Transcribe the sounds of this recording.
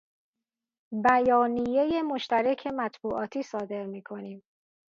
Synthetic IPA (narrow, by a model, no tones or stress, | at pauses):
bæjɒːnijeje̞mo̞ʃt̪æɾekʰe̞mæt̪ʰbuːʔɒːt̪ʰiːsɒːd̪e̞ɾmiːkʰo̞niːm